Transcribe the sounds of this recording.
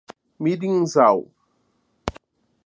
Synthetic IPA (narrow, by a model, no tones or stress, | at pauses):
midiŋzaw